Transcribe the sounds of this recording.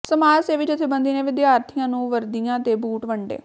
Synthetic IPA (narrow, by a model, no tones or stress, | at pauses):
səmaːɾseːʋɪt͡ʃɪt̪ʰːeːbənd̪iːnẽːʋɪd̪jaːɾt̪ʰɪjãːnũːʋəɾd̪ijãːt̪eːbuːʈʋəɳɖḛː